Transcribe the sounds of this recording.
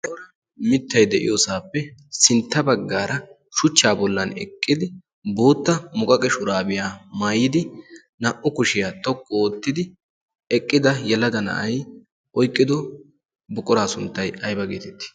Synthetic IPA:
t̪wɾɐ | mɪt̪ːɐjd̪ɛʔɪ̰joːsaːpːɛsɪnt̪ːɐbɐɡːaːɾɐ | ʃʊt͡ʃːaːbɔlːɐnɛ̰kʼːɪd̪ɪ | bo̞ːt̪ːɐmʊkʼɐkʼɛʃʊɾaːbɪjaːmaːjɪd̪ɪ | nɐʔʊkʊʃɪjaːt̪ɔkʼːɔoːt̪ːɪd̪ɪ | ɛkʼːɪd̪ɐjɛlɐd̪ɐnɐ̰ʔɐj | ʔɔjkʼːɪd̪ɔ | bʊkʼːɔɾaːsʊnt̪ːɐjɐjbɐɡeːt̪ɛt̪ːɪ̥

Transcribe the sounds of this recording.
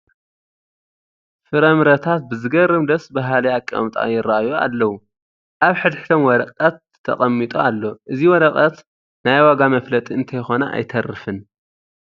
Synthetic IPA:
fɨɾɐmɾɐt̪ʰat̪̚bɨzɨɡɐrɨmd̪ɐsbaɦalijakʼːɐ̰mt̪ʼa̰jɪɾaajoa̰lːɐwu | ʔaβħɨd̪ħt̪ʰomwɔɾɐqʼɐt̪ʰːɐ̰χʼɐmːit̪ʼoalːo̞ʔɨziwɔɾɐqʼɐt̪ | najwaɡamɐflɐt̪ʼiɨnt̪ʰɐjxo̞naʔa̰jt̪ʰɐrːɨfɨn

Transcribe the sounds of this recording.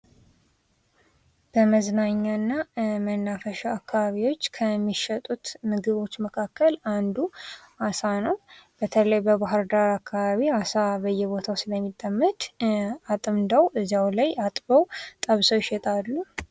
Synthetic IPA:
b̥əməznaɲːanːamənːafəʃaakːaβaβiwo̞t͡ʃːkʰəmːiʃɛt̪ʼut̪mɨɡɨβo̞t͡ʃːməkʰakːəland̪u | asanəwb̥ət̪ʰələjbəbaɦɨɾd̪aɾakʰːaβaβiasabəjːɛβo̞t̪ʰawsɨləmːit̪ʼːəmːət̪ʼat̪ʼɨmd̪awʔɨzawlajat̪ʼbəwt̪ʼəβsəwɪʃɛt̪ʼalːu

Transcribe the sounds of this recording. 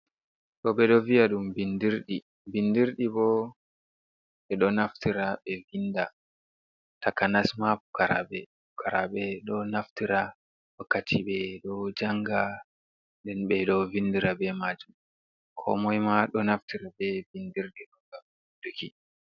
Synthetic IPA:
ɗɔɓɛɗɔvijaɗumbindiɾɗi | bindiɾɗibɔ | ɓɛɗɔnaftiɾaɓɛvinda | takanasmabukaɾa̰bɛ | bukʰaɾaɓɛɗɔnaftiɾa | wakːatʰiɓɛɗɔd͡ʒaŋɡa | ndɛnɓɛɗɔvindiɾabɛmad͡ʒum | kʰɔ̰mɔjmaɗɔnaftiɾabɛvindiɾɗɛɗɔɡa | duki

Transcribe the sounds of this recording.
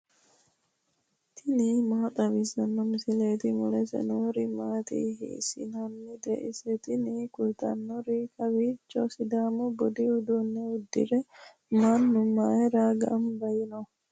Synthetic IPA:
t̪ʰɪniːmaːt̪ʼɐbɪzɐnːɔmɪsɪleːt̪ɪmʊlɛsɛ̰noːɾɪmaːt̪ḭːhḭːsɪ̰nɐnːɪd̪ɛʔɪsɛt̪ɪniːkʊlt̪ʼɐ̰nːɔɾikʰɐwit͡ʃːɔsɪd̪aːmɔbɔd̪ɪʊd̪unːɛʊd̪ːɪ̰ɾɛ | manːʊmːaɛɾaːɡɐ̰mbɐjɪnɔ

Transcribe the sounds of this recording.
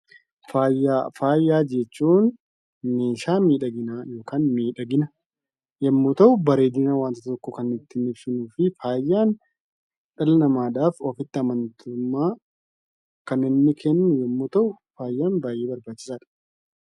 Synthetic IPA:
faːjaːfaːjːaːd͡ʒɛt͡ʃːuːnː | eːʃaːmiːᶑɐɡɪnaːjoːkaːnmiːᶑɐɡɪnɐ | jɛmːoːt̪ɐʔʊbɐɾe̞ːd̪ɪnaːwaːnt̪ɐt̪t̪ɔkːɔkɐnːɪt̪ːɪnɪbsɪnuːfɪfaːjːaːn | ᶑɐlɐnɐmaːd̪aːfɔfɪt̪ːɪɐmɐnt̪ʰʊmːaː | kɐnɪnːɪkʰenːʊnjɛmːoːt̪ɐʔʊ | faːjːaːnbaːjːeːbɐɾbaːt͡ʃːɪ̥saːᶑɐ̥

